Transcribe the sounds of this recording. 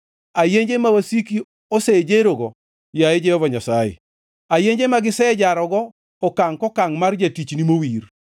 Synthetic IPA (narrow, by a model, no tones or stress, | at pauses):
ajeɲd͡ʒemawasiki | ɔsed͡ʒeɾoɡɔ | jaed͡ʒɛjɔvɔɲasajḛ | ajeɲd͡ʒemaɡɪsɛd͡ʒaɾɔɡɔː | kaŋkɔkaŋmard͡ʒatit͡ʃnimowir